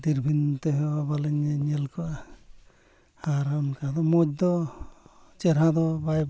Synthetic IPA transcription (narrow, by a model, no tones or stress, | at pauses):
d̪iɾbʱint̪ɛɦɛwabalɛɲɛɲɛlkɔʔa | haɾankad̪ɔmɔd͡ʒ̚d̪ɔ | t͡ʃɛɾɦãd̪ɔbaj